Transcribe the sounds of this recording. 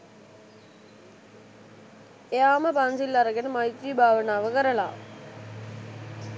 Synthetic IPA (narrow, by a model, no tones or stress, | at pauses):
eaːməpɐnsilːɐɾɐɡenmɐjt̪ɾibʱaːʋənaːʋəkɐɾɐɭa̰ː